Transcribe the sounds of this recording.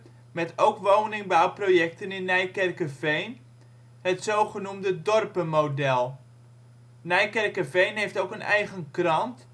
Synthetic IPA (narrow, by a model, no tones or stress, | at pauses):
mɛtʰowkʋownɪŋbawprojɛktənɪnːɛjkɛrkəvejn | hətsowχənumdədɔrpəmowdɛlˠ | nɛjkɛrkəvejnɦejftowkənɛ̰jχənkrɑnt